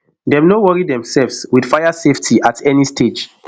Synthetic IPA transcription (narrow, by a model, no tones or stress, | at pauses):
dɛmnowɔɹidɛ̃msɛlvswid̥fajaseftʰiʔatʰɛnistʰed͡ʒ